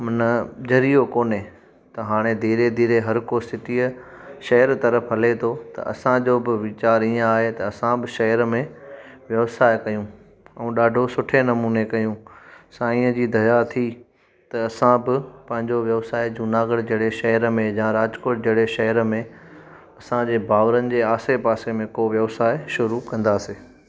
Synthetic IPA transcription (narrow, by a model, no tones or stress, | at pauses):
mɐnəd͡ʑɐɾijokoːne | t̪ɐɦaːɽ̃ed̪ʱiːɾed̪ʱiːɾeɦɐɾkosɪt̪iə | ʃɐɦəɾt̪ɐɾəfʰɦɐlet̪ʰot̪ɐ̰ɐ̰sãd͡ʑoːbɪʋɪt͡ɕaːɾiːə̃aːɦet̪ɐɐsãbɪʃɐɦəɾəmẽʋjɐʋsaːɪkɐjũ | ɛ̃ɗaːɖʱosʊʈʰenɐmuːnekɐjũsãiːə̃d͡ʑiːd̪ɐjat̪ʰi | t̪ɐɐsãbɪpɐ̃ɦɪ̃ɲd͡ʑoʋjɐʋsaːɪd͡ʑunaːɡəɽd͡ʑɐɽeʃɐɦəɾəmẽjãːɾaːd͡ʑkoːʈ̚d͡ʑɐɽeʃɐɦəɾəmẽ | ɐsãd͡ʑeːbʱaːʋɾənɪ̆d͡ʑeːaːsepaːsemẽkoːʋjɐʋsaːɪʃʊɾukɐ̃nd̪aːseː